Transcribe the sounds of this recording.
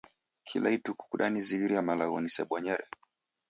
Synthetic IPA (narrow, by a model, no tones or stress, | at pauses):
kʰilaituku̥kuɗaniziɣiɾiamalaɣɔnisɛ̰ɓɔɲɛɾɛ